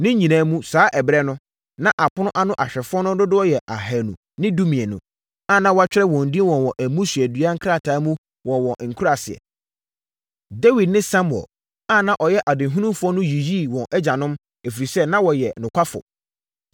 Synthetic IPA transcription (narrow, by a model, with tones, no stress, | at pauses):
nɪ̃˦ɲĩ˨nãː˨˦mũ˦saː˨˦ʔɛ˨bɾɛ˦nʊ̃˦ | nã˦ʔa˨pʰʊ˦nʊ̃˦ʔa˦nʊ̃˦ʔa˨ɕᶣɛ˨fʊ˦ɔ˦nʊ̃˦dʊ˦dʊ˦ɔ˦jɛ˨ʔa˨ɦɛ˨nũ˨ | nɪ̃˦du˦mĩ˨ɛ˨nʊ̰̃˨ | ã˦˨nã˦wɔ˦a˦t͡ɕᶣɪ˦ɾɛ˦wɔ̃˨n̩˨di˦wɔ̃˨nwɔ̃˨ʔæ˨mũ˦sɥɛ˨dɥa˦ŋ̩˦kʰɾa˦˨tʰaː˨˦mũ˦ | wɔ̃˨wɔ̃˨ŋ̩˨kʰu˦ɾa˨sɪ˨ɛ̰˨ | de˦wi˨d̚nɪ̃˦sã˦m˨ɔ̰˨ | ã˦nã˦ʔɔ˨jɛ˦ʔa˨dɪ˨ɦũ˦nũ˦mfʊ˦ɔ˦nʊ̃˦ji˨ji˦˨wɔ̃˨ʔɛ˦d͡ʑa˨nʊ̃˦m | e˨fi˨ɾi˨sɛ˦nã˦wɔ˨jɛ˨nʊ̃˨kʷʰa˦fʊ̰˨